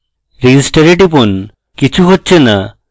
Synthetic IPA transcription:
ɾid͡ʒisʈaɾeʈipon | kit͡ʃʰuɦotːt͡ʃʰena

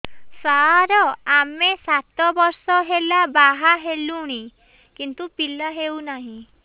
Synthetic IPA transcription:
saɾɔamesat̪ɔbɔɾsɔɦelabaɦaɦeluɽ̃i | kint̪upilaɦewnaɦĩ

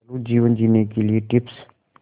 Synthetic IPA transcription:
luːd͡ʒiːʋənd͡ʒiːnekelieʈɪps

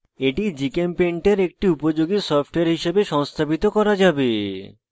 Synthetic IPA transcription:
eʈid͡ʑikempeɳʈeɾek̚ʈiupod͡ʑoɡisɔfʈoeɾɦiʃebeʃɔŋst̪ʰabit̪okɔɾad͡ʑabe

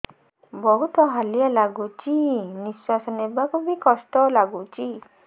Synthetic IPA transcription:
bɔɦut̪ɔɦalijalaɡut͡ʃiniswasɔnebakubikɔsʈɔlaɡut͡ʃi

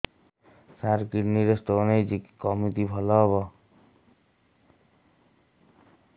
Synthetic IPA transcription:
saɾkiʈniɾest̪ɔːnejd͡ʒikːɔmit̪ibʱɔlɔɦɔβɔ

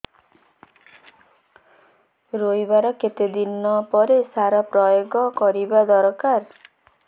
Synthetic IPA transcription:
ɾojbaɾɔket̪ed̪inːɔpɔɾesaɾapɾɔjoɡɔkɔɾibad̪ɔɾkaɾ

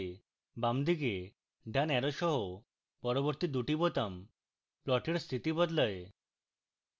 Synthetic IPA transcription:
e | bamd̪iɡe | ɖʱanɛɾɔʃɔɦo | pɔɾɔbɔɾt̪id̪uʈibot̪am | plɔʈʰiɽst̪ʰit̪ibɔd̪ləje

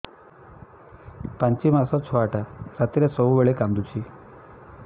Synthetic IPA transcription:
pãɲt͡ʃimasɔt͡ʃʰɔaʈʰasat̪iɾesɔuʋeɭekamd̪ut͡ʃʰi

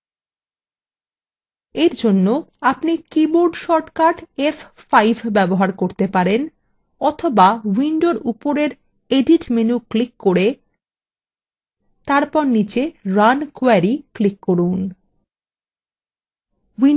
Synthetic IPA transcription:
eɾd͡ʑonːoapnikiboɾɖʃɔɾʈkaʈeffajbʱbɛboɦaɾkoɾt̪epaɾen | ɔt̪ʰobawiɳɖoɾupoɾeɾ | eɖiʈmenuklikːoɾe | t̪aɾpɔɾnit͡ɕeɾankoaɾiklikːoɾun | wi

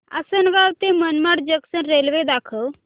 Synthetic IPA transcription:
a̰sənʋawt̪emənmaʈd͡ʒəksənɾelʋed̪aːkʰə

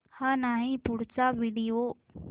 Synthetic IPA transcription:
hãnaɦĩpʊɽt͡saʋiɽio

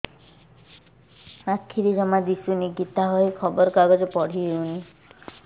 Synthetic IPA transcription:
akʰːiɾid͡ʒɔmad̪isuniɡit̪aɦɔjkʰɔbɔɾɔkaɡɔd͡ʒɔpɔɽ̤iɦeuni

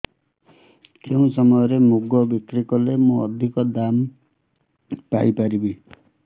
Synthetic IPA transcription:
keũsɔmɔjɔɾemuɡɔbikɾikɔlemũɔd̪ʱikɔd̪am | pa̰ipaɾibi

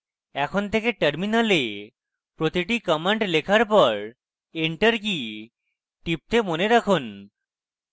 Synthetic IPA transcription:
ɛkʰont̪ʰekeʈəɾminale | pɾot̪iʈikɔmeɳʈlekʰaɾpɔɾ | eɳʈəɾki | ʈip̚t̪emoneɾakʰon

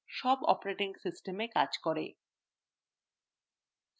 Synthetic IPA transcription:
ʃɔbɔ̰poɾeʈiŋsisʈemekad͡ʑkoɾḛ

